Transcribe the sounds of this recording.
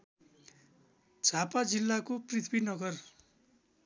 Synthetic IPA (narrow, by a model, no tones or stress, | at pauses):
d͡zʱapad͡zilːakoprit̪ʰbinʌɡʌr